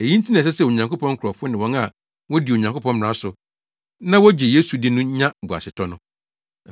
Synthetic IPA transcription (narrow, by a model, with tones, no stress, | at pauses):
e˨jĩ˦n̩˦tʰi˦nɪ̃˨s̬ɛ˦sɛ˦˨o˨ɲã˨ŋko˦pɔ̃˦ŋ˦kʰʊ˨ɾɔ˨fʊ˦ʊ˦nɪ̃˨wɔ̃˨˦ŋa˨ | wɔ̃˦di˨o˨ɲã˨ŋko˦pʰɔ̃˦m˨ɾã˦sʊ˨ | nã˦wɔ˦d͡ʑi˨je˦su˨dɪ˦nʊ̃˦ɲã˦bu˨a̰˨sɪ˨tʰɔ˦nʊ̃˦